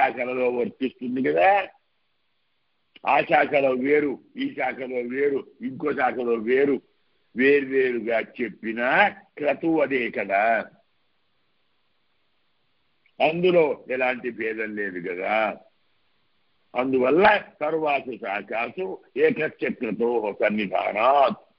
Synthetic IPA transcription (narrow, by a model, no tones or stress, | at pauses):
aːkʰɐlɐlo̞ːʋɐɾt̪ist̪und̪ikɐd̪aː | aːʃaːkʰɐloːʋeːɾuiːʃaːkʰɐlo̞ːʋe̞ːɾuiŋko̞ːsaːkʰɐlo̞ːʋeːɾu | ʋe̞ːɾiʋeːɾuɡaːt͡ʃe̞pːinɐkɾɐt̪uʋɐd̪ɛːkɐd̪aː | ɐnd̪ulo̞ːɛlaːɳʈibʱɛːd̪ɐlːe̞ːd̪ukɐd̪aː | ɐnd̪uʋɐlːɐt̪ɐɾʋaːsɐʃaːkʰaːsu | eːkɐt͡ʃʃɐknɐt̪oːɦsɐnːid̪ʱa̰ːnaːd̪u